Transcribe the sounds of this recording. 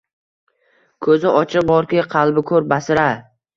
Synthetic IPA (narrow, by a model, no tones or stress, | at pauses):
kʰɵzɪʔɒt͡ʃʰɪq̚bɒɾkʲɪqʰɑlˠbɪkʰɵɾbasɪɾa